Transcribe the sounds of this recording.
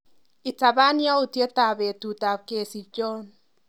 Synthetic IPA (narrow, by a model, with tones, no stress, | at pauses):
ɪ˨ta˨ba˦nja˦u˨tje˦ta˨be˨tu˨ta˨ke˨si˨d͡ʒɔ˦n